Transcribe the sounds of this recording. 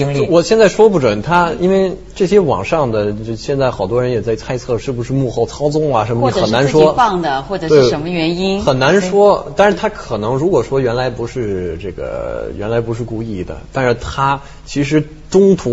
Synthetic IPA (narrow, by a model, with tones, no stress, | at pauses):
wɔ˨˩ɕjɛ˥˧nt͡sa˥˩ɪʂwɔ˥pu˥˩ʈ͡ʂwə˨˩˦nt̪ʰa˥i˥nwe˥˧ɪ | ʈ͡ʂɤ˥˩ɕjɛ˥wɑ̰˨˩ŋʂɑ˥˩ŋd̪ə˩jo˥˧ɕjɛ˥˧nt͡sa˥˩xɑ˨˩ʊt̪wɔ˥ɻə˧˥njɛ˨˩t͡sa˥˧ɪt͡sʰa˥˧ɪt͡sʰɤ˥˧ʂɻ̩˥˩bu˩ʂɻ̩˥˧mu˥˧xo˥˩ʊt͡sʰɑ˥ʊt͡sʊ˥ŋɐ˩ʂə˧˥nmə˧˩i˧˥˨ə˨˩na˧˥nʂwɔ˧˥fɑ˥˩ŋd̪ə˩xwɔ˥˩ʈ͡ʂə˨˩t̪e˥˩ə˧˦˥mə˧ɥɛ˧˥ni˥nxə˨˩nna˧˥nʂwɔ˥t̪a˥˧nʂɻ̩˥˩t̪ʰa˥kʰɤ˨˩nɤ˧˥ŋɻu˧˥kwɔ˨˩ʂwɔ˥ɥɛ˧˥nla˧˥ɪpu˧˥ʂɻ̩˥˧ʈ͡ʂɤ˥˩ɡə̰˩jɥɛ˧˥nla˧˥ɪpu˧˥ʂɻ̩˥˧ku˥˧i˥˩d̪ə̰˩t̪a˥˧nʂɻ̩˥˩t̪ʰa˥ | t͡ɕʰi˧˥ʂ̬ɻ̩˧˥ | ʈ͡ʂʊ˥ŋt̪ʰu˧˥